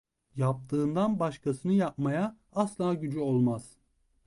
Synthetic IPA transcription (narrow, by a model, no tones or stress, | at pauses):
jap̚t̪ʰɯːnd̪anbaʃkʰasɯnɯjap̚maja | aslˠaːɟyd͡ʒyo̞lˠmaz̥